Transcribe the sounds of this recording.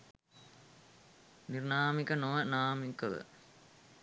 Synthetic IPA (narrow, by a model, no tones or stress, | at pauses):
nirnaːmikənoʋənaːmikəʋə̰